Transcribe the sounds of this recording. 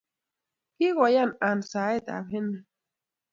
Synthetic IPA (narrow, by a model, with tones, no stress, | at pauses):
ki˦ɣa˨ja˦na˨nsa˨e˦t̪a̰˨bhe˦ne˨